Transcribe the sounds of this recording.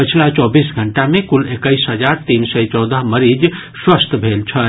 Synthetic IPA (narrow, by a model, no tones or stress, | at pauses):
pət͡ʃʰlat͡ʃɔbisɡʱəɳʈamekulekəjsɦəd͡ʒaɾt̪insəjt͡ʃɔd̪əɦməɾid͡ʒ | swəst̪ʰbʱelt͡ʃʰə